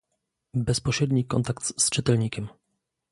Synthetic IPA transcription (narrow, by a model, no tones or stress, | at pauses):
bɛspɔɕɾɛd̪ɲikɔ̰nt̪akt̪st͡ʂɘt̪ɛlɲikʲɛm